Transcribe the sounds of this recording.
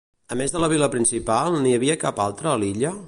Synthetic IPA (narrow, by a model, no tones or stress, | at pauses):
əmezðələβ̞iləpɾinsipalˠniəβ̞iəkapalˠt̪ɾəːliʎə